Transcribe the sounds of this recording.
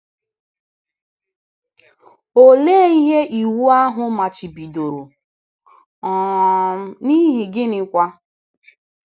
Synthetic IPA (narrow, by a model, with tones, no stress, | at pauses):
o˨le˦˨i˦ɦe˦ʔi˨wu˦a˦ɦʊ˨ma˨t͡ʃi˨bi˨do˨ɾo˨ | ɔ˨˦ | ni˦ɦi˨ɡɪ˦nɪ˨kʷa˦